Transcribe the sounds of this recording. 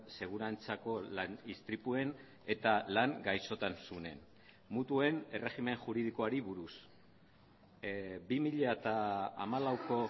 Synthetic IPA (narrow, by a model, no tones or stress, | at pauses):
se̞ɣ̞uɾant͡sako̞lanist̪ɾipue̞n | e̞t̪alaŋɡajso̞t̪ansune̞̰n | mut̪ue̞ne̞re̞ɣime̞ŋʝuɾið̞iko̞aɾiβuɾus | bimiʎat̪a̰ːmalawko̞